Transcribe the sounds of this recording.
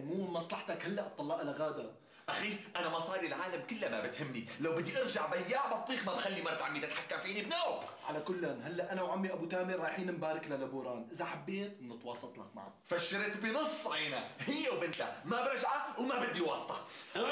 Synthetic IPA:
muːmɪmmɑsˤlɑħt̪akhalːaʔt̪ˤːɑlːɑːʔalaɣaːd̪a | ʔaxiːʔanamɑsˤɑːdɾilʕaːlamkɪlːamabɪt̪hɪmːnilawbɪd̪ːiʔɑɾʒaʕbajːaʕbɑt̪ˤːiːxmabxalːimɑɾˤt̪ʕamːiːt̪ɪt̪ħakːamfiːnibnoːʔʕalakʊlːanɦalːaʔanawʕamːiʔabut̪aːmiɾˤɑːjħiːnɪmbaːɾˤɪklalabuːɾˤɑːnʔɪzaħabːeːt̪nɪt̪wɑːsˤɑt̪ˤla̰kma̰ʕa̰ | faʃːɪɾet̪binɨsˤːʕeːnahɪjːewbɪnt̪amabɪɾˤɪʒʕawmabɪd̪ːiwɑːsˤt̪ˤɑ

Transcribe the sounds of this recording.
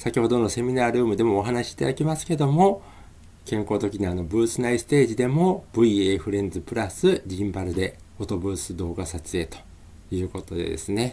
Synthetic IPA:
sakʲiho̞d̪o̞no̞se̞mʲinaːɾɯ̟ːmɯ̟d̪e̞mo̞ːɦanaɕi̥ːt̪a̰d̪akʲimasɨ̥ke̞d̪o̞mo̞ | kẽ̞ŋko̞ːt̪o̞kʲiɲiano̞bɯ̟ːsɨnaisɨ̥t̪e̞ːʑid̪e̞mo̞b̥ɯ̟ieeɸɯ̟ɾẽ̞nd͡zɨpɯ̟ɾasɨɾʲĩmbaɾɯ̟d̪e̞ | ot̪o̞bɯ̟ːsɨd̪o̞ːɡasat͡sɨe̞ːt̪o̥ | jɯ̟ːko̞t̪o̞d̪e̞̰d̪e̞̰sɨne̞

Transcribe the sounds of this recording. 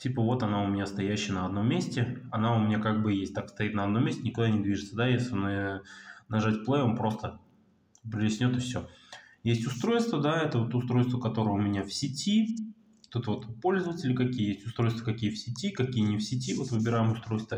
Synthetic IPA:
tʲipəvo̞t̪ɐnaʊmʲɪnʲast̪ɐjæɕːɪənəɐd̪no̞mʲːesʲtʲɪɐnaʊmʲɪnʲakaɡ̚bɨjesʲtʲt̪akst̪ɐit̪nəɐd̪nomʲesʲtʲɪnʲɪkʊd̪anʲɪd̪vʲiʐɨt̪səd̪ajesʲlʲɪn | nɐʐatʲplˠejonpɾo̞st̪ə | pɾʲɪlʲɪsʲnʲot̪ɨfsʲɵjesʲtʲʊst̪ɾo̞jst̪vəd̪aɛt̪əvot̪ʊst̪ɾo̞jst̪vəkɐt̪o̞ɾəjəʊmʲɪnʲafsʲɪtʲi | ot̪ɛt̪əvo̞t̪po̞lʲzəvətʲɪlʲɪkɐkʲijəjesʲtʲʊst̪ɾo̞jst̪v̥əkɐkʲijəfsʲɪtʲikɐkʲijənʲɪfsʲɪtʲivo̞t̪vɨbʲɪɾajɪmʊst̪ɾo̞jst̪və

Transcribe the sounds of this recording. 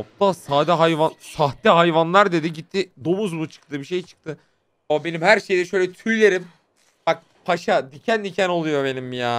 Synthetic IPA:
op̚t̪ʰasaːd̪ɛɦajvansaxt̪iɦajvanlˠaɾd̪ed̪iɟit̪ʰːid̪o̞muzbut͡ʃʰɯ̥k̚t̪ʰɯbiʃe̞jt͡ʃʰɯ̥k̚t̪ʰɯ | be̞nimhæɾʃe̞jd̪ɛʃø̞jlʲɛt̪ʰylːʲeɾim | bak̚ | pʰaʃad̪icʰænd̪icʰæno̞lˠujo̞be̞nimːjaː

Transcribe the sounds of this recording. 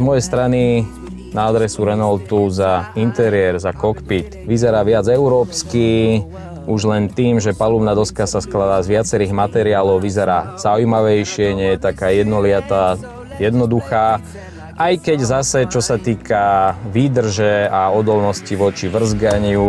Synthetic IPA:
zmɔjɛjst̪ɾani | naːd̪ɾɛsuɾɛnɔlt̪uzaint̪ɛɾɪɛɾzakɔkpit̪ʋizɛɾaːʋɪad͡zɛuɾɔːpski | uʒlɛnt̪iːmʒɛpalubnaːd̪ɔskasasklad̪aːzʋɪat͡sɛɾiːɣmat̪ɛɾiaːlɔʊʋizɛɾaːz̥aujmaʋɛjʃɪɛɲɛjɛt̪akaːjɛd̪nɔlɪat̪a | jɛd̪nɔd̪uxaː | ʔajkɛɟzasɛt͡ʃɔsat̪iːkaʋiːd̪r̩ʒɛaɔd̪ɔlnɔsciʋɔt͡ʃiʋr̩zɡaɲɪu

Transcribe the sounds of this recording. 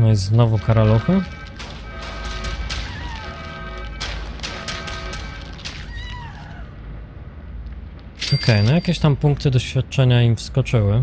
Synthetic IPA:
najzznɔvukaɾaluxɘ | ɔkʰɛjnɔjakʲɛɕt̪ampuŋkt̪ɘd̪ɔɕfʲjat̪̚t͡ʂɛɲaimfskɔt͡ʂɘwɘ

